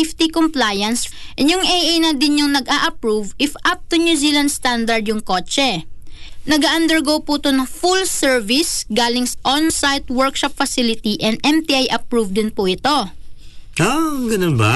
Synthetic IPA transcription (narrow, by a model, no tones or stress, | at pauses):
ɪft̪ikomplajɐnsʔɪnjʊŋʔɛjʔejnɐd̪ɪnjʊŋnɐɡʔaʔɐpɹuvɪfʔap̚t̪ʊnjuzilɐnst̪and̪ɐɹd̪jʊŋko̞t͡ʃɛ | nɐɡaːʔɐnd̪ɛɹɡowput̪onɐŋfulsɛɹvɪsɡaːlɪŋsɐʔɔnsajt̪̚wɛɹkʃɔpfɐsɪlɪt̪iʔɛnd̪ʔɛmt̪iʔajʔɐpɹuvd̪ɪnpuʔɪt̪o̞ | aɡɐnʊnba